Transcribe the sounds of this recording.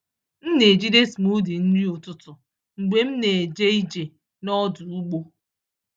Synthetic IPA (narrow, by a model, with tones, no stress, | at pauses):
m̩˦ne˨d͡ʒi˦de˦smu˦di˨n̩˦di˦ʊ˨tʊ˦tʊ˨ | ŋ͡m̩˨ɡ͡be˨m̩˦ne˨e˨d͡ʒe˦i˦d͡ʒe˨ | nɔ˦dʊ˨u˦ɡ͡bo˦